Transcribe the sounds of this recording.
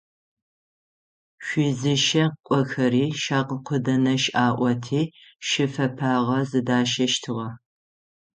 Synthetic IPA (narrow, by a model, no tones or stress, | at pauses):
ʃʷizɨʃɐkʷʼɔxɐɾiːʃaːqqʷʰʊdɐnɐʃʔaːʔʷɔtʰiːʃɪfɐpʰaːʁɐzɨdaːʃɐʃtʰɨʁɐ